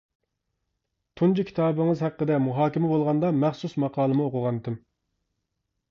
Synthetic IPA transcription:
t̪ʰund͡ʒukʲʰi̥t̪ʰɑːbɨŋɨzhæqːəd̪ɛmuɦɑːkʲimɛbolˠʁɑnd̪ɑmæχsusmɑqʰɑːlˠɨmɨoqʊʁɑnd̪ɪm

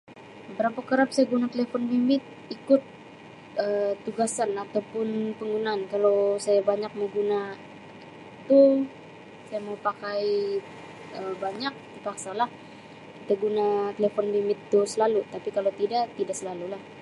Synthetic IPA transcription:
əbəɾapakəɾap̚sajaɡunat̪elefɔnbimɪt̪̚ | ikʊt̪̚ | ət̪ːuɡasanat̪awpʊnpəŋɡunaːnkalowsajabaɲak̚məɡuna | i | t̪u | sajamaupakaj | əbaɲak̚t̪ipak̚salah | kit̪aɡunat̪elefɔnbimɪt̪ːusəlalut̪apikalot̪idaʔt̪idaʔsəlalulah

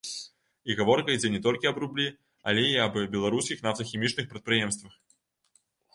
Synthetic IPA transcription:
iɣavɔrkɐid͡zʲɛnʲɛt̪ɔlʲkʲiɐbɾublʲi | ɐ̰lʲeiɐbbʲɛlˠaɾuskʲixnaft̪ɐxʲɛmʲit͡ʂnɨxpɾɐt̪̚pɾɨjɛmst̪vɐx

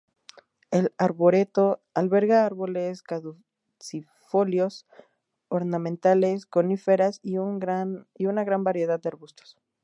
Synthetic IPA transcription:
e̞laɾβo̞ɾe̞t̪o̞alβe̞ɾɣaaɾβo̞leskaðu | si | fo̞ljo̞s | oɾnãmẽnt̪ale̞sko̞nife̞ɾasianiunaɣɾambaɾje̞ð̞að̚ːeaɾβust̪o̥s

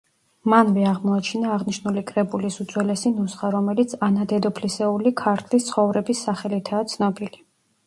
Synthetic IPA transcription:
manvɛaʁmɔat͡ʃʰinaːʁniʃnulikʼɾɛbulisud̪z̥ʼwɛlɛsinusχaɾɔmɛlit̪sʰanad̪ɛd̪ɔpʰlisɛulikʰaɾt̪ʰlist̪sʰχɔvɾɛbisːaχɛlit̪ʰaːt̪sʰnɔbili

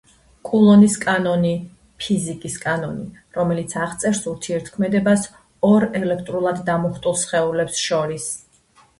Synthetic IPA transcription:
kʼulˠɔniskʼanɔni | pʰizikʼiskʼanɔniɾɔmɛlit̪sʰaʁt̪sʼɛɾsuɾt̪ʰiɛɾt̪ʰkʰmɛd̪ɛbas | ɔɾɛlɛkʰt̪ʼɾulˠad̪ːamɔχt̪ʼulˠsχɛulɛpsʃɔɾis

